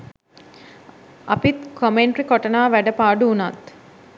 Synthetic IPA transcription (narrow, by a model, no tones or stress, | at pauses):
a̰pit̪kʰomeɳʈrikɔʈɐnaːʋæɖəpaːɖuːnat̪